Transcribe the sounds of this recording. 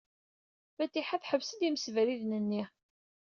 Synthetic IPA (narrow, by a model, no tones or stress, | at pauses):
fæt̪ːiħaθħəvsəd̪iməsvɾiðnənːi